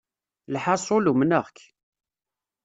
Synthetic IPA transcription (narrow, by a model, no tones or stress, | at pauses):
lħɑsˤolumnəʁk